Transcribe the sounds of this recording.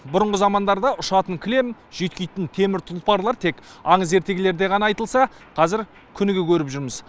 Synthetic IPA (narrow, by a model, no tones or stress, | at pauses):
bʊɾʊɴʁəzɑmɑnd̪ɑɾd̪ɑʊʃɑt̪əŋkʲʰɪle̞mʒ̥ejt̪̚kʲejt̪ɪnt̪ʰe̞mɪɾt̪ʰʊlˠpɑɾlˠɑɾt̪ʰe̞kɑɴəze̞ɾt̪e̞ɡʲɪle̞ɾd̪e̞ʁɑnɑɑjt̪əlˠsɑ | qʰɑzɪɾ | kʲʰʏnɪɡʲekʲʰɵɾɪpʒʏɾmɪz